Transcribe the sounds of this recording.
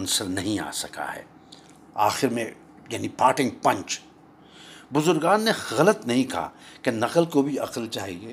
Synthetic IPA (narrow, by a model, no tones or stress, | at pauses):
nsəɾnɐɦĩa̰ːsɐka̰ɦɛ̰ː | aːxɪɾmẽ | jaːnipaːɾʈɪ̃ŋɡ̚pɐ̃ɲt͡ʃ | bʊzʊɾɡaːnːeɣɐlət̪nɐɦĩkɐɦa̰kenɐqəlkobʱiɐqəlt͡ʃaːɦieː